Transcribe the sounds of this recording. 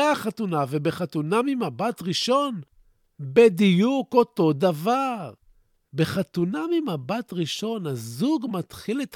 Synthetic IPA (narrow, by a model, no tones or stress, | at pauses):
aaχatunavebe̞χatunamimabatʁiʃo̞n | bedijuko̞t̪o̞d̪avaʁ | be̞χat̪unamimabatʁiʃo̞nazuɡmat̪χilet̪